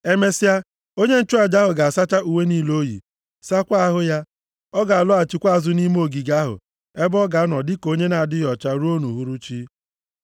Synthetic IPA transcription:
e˦me˦sa˦ | o˦ɲe˦n̩˦t͡ʃʊ˦a˨d͡ʒa˦ɦʊ˨ɡa˨a˨sa˦t͡ʃa˦ʔu˨we˦niː˦lo˦jḭ˨ | sa˦kʷa˦ɦʊ˦ja˦ | ɔ˦ɡa˨a˨lʊ˦a˨t͡ʃi˦kʷa˦a˨zʊ˦ni˦m˦o˦˨ɡi˨ɡa˦ɦʊ̰˨ | e˦bɔ˦ɡa˨˦nɔ˨dɪ˦ko˦ɲe˦na˨a˨dɪ˦jɔ˨t͡ʃa˦ɾu˦o˦nu˨ɦu˨ɾu˦t͡ʃi˦

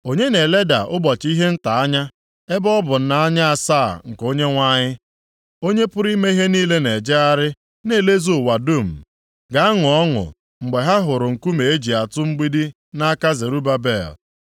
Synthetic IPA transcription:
o˦ɲe˦ne˨le˦da˨ʔʊ˦bɔ˨t͡ʃi˦ɦe˦n̩˦ta˨a˦ɲa˦ | e˦bɔ˦bʊ˨n̩˦na˦a˦ɲa˦a˨sa˦˨ŋ̩˨ko˦ɲe˦ŋʷa˦ɲɪ˦ | o˦ɲe˦pʊ˦ɾi˦me˦i˦ɦe˦niː˦le˦ne˨d͡ʒe˦a˦ɾɪ˦ | ne˦˨le˦zo˦˨wa˨du˦˨m̩˨ | ɡa˨a˦ŋʊ˨ɔ˦ŋʊ̰˨ | ŋ͡m̩˨ɡ͡be˨ɦa˦ɦʊ˨ɾʊ˨ŋ̩˨ku˦me˨e˦d͡ʒi˨a˨tʊ˦ŋ͡m̩˦ɡ͡bi˦di˦ | na˦ka˦ze˨ɾu˦ba˦be˦˨l

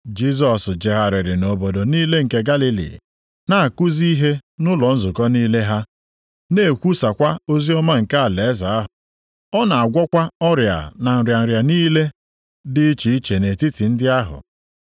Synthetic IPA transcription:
d͡ʒi˦s̬ɔ˨sd͡ʒe˨ɦa˨ɾɪ˨ɾɪ˨no˨bo˨do˨niː˦le˦ŋ̩˨ke˦ɡa˦li˦lḭ˨ | na˦˨a˨kʊ˦zi˦i˦ɦe˦nʊ˦lɔ˨n̩˦zʊ˨kɔ˦niː˦le˦ɦa˦ | ne˦˨kʷu˦sa˨kʷa˦o˦zi˦ɔ˦ma˦ŋ̩˨ka˦a˨le˨ɛ˦za˨a˦ɦ | ɔ˦na˨a˨ɡʷɔ˦kʷa˦ɔ˦ɾja̰˨na˨n̩˨ɾja˨n̩˨ɾja˨niː˦le˦ | dɪ˦t͡ʃi˨i˦t͡ʃe˨ne˨ti˦ti˨n̩˦dɪ˦a˦ɦʊ̰˨

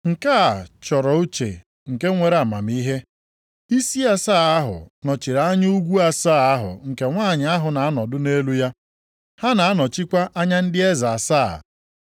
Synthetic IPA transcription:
ŋ̩˨ka˦˨t͡ʃɔ˨ɾɔ˨u˦t͡ʃḛ˨ | ŋ̩˨ke˦ŋʷe˨ɾa˦˨ma̰˨m˦i˦ɦe˦ | i˦si˦a˦saː˦˨a˦ɦʊ̰˨nɔ˨t͡ʃi˨ɾa˨˦ɲ˦u˦ɡʷu˦a˦saː˦˨a˦ɦʊ̰˨ŋ̩˨ke˨ŋʷaː˦˨ɲɪ˨a˦ɦʊ˨na˨a˦nɔ˨dʊ˦ne˦lu˦ja˦ | ha˦na˨a˦nɔ˨t͡ʃi˦kʷa˦ʔa˦ɲa˦n̩˦dɪ˦e˦za˨saː˦˨

